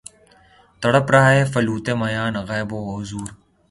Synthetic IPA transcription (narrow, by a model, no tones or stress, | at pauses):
t̪ɐɽəpɾaːeːfɐluːt̪emɐjaːnɣaːjboːɦʊzuːɾ